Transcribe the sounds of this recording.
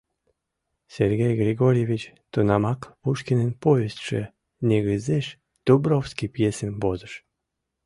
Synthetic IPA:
seɾɡʲejɡɾiɡoɾjevit͡ɕ | t̪onamakpuʃkinenpovesʃə̰ | nʲeɡəzeʃ | d̪̥ubɾofskipjesenbozəʃ

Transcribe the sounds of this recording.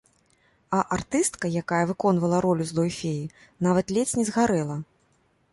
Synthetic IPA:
ɐʔart̪ɨst̪kɐjakajɐvɨkɔn̪vɐlˠɐɾɔlʲuzd̪ɔjfʲeji | navɐt̪lʲɛt͡sʲnʲɛzɣaɾɛlˠɐ

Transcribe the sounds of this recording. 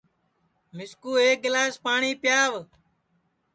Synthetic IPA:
mɪskuːeːk̚ɡɪlaːspaːɳiːpjaːʋ

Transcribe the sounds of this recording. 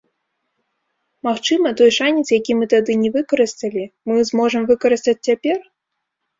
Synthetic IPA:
maxt͡ʂɨmɐt̪ɔjʂanʲit̪sjakʲimɨt̪ad̪ɨnʲɛvɨkɐɾɨst̪ɐlʲimɨzmɔʐɨmvɨkɐɾɨst̪ɐt͡sʲt͡sʲapʲɛr

